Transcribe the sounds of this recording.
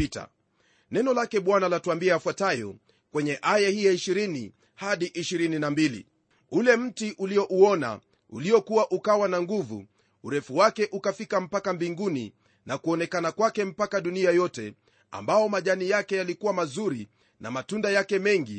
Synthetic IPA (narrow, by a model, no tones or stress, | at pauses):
ita̰ | nɛnɔlakɛɓwanalatuambiɛafwatajɔ̰ | kwɛɲɛʔajahijaiʃiɾini | haɗiʔiʃiɾininambilḭ | ulɛm̩tiʔuliɔʔuɔna̰ | ṵliɔkuwaʔukawanaŋɡuvṵ | uɾɛfuwakɛʔukafikam̩pakambiŋɡunḭ | nʔakuɔnɛkanakwakɛm̩pakaɗuniajɔtɛ | a̰mbaɔmaʄanijakɛjalikuwamazuɾi | na̰matundajakɛmɛŋɡi